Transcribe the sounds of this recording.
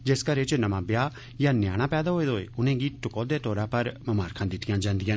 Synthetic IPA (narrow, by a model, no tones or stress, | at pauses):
d͡ʒeːskəɾet͡ʃnɐmãːbɪjaː | jaːnjaːɽ̃ãːpɛːd̪aːɦoːeːd̪oːeːʊnẽːɡiːʈʊkoːd̪eːt̪oːɾãːpɐɾmɐmaːɾkʰãːd̪ɪt̪ɪjãːd͡ʒãːnd̪ɪjãː